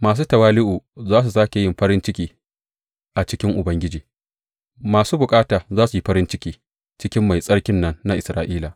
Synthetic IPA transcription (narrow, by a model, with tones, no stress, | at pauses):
maː˨s̬uː˦tɐ˨waː˦lɪ˦ʔuː˨zaː˦s̬u˨saː˦kʲe˨jɪ˦˨mɸɐ˦ɾɪ˦nt͡ʃɪ˦kʲiː˨ | ʔa˨t͡ʃɪ˦kʲɪ˦ŋʔʊ˨bɐ˦ŋɡʲɪ˦d͡ʒiː˨ | maː˨suː˦bʊ˨kʼaː˦taː˨zaː˦su˨ji˦ɸɐ˦ɾɪ˦nt͡ʃɪ˦kʲiː˨ | t͡ʃɪ˦kʲɪ˦mːa˨jsʼɐ˦ɽkʲɪ˦nːɐ˦nːa˦ʔɪ˨sɾaː˦ʔiː˦la˨